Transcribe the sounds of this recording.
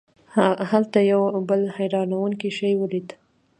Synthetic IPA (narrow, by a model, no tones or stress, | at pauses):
ahalt̪ajawbəlhajɾɑnawuŋkiʃajwəlid̪